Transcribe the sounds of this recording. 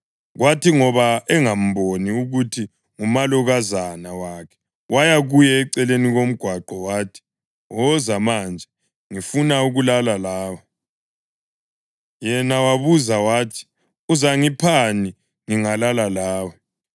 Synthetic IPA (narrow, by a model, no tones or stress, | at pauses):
ɣwatiŋɔβaɛŋam̩boniuɣutʰi | ŋumaluɣazanawakʰɛ̥ | wajaɣujɛːǀɛleniɣom̩ɡ̥ʱwaɡ͡ǃɔwaːtʰi̥ | ɔzamand͡ʒʱɛ | ŋifunauɣulalalaːwɔ | jɛnawaβuzawaːtʰi̥ | uzaŋipʰani | ŋiŋalalalaːwɔ